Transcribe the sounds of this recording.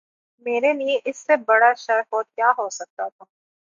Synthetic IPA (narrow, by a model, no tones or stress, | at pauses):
meːɾelijẽʔɪsːebɐɽaʃɐɾfoːt̪̚kjaːɦoːsɐk̚t̪at̪ʰaː